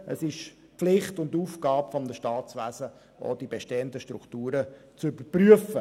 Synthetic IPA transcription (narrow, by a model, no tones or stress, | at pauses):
ʔəsɪʃ | pflɪχtʊnduːfɡɑːpfɔmnəʃtɑːtt͡sʋæzə | ʔo̰ːd̥ibeʃteːəndəʃtɾuktuːɾə | t͡sybəpryəfə